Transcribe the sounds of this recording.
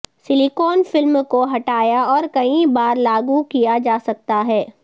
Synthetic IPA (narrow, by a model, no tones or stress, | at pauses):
sɪlikoːnfɪlmkoɦɐʈaːjaɔːɾkɐĩbaːɾlaːɡukijad͡ʒaːsɐk̚t̪aɦɛː